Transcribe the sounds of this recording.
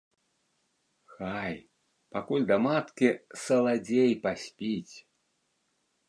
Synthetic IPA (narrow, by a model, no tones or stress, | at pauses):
xaj | pakulʲd̪ɐmat̪kʲisɐlˠad͡zʲejpasʲpʲit͡sʲ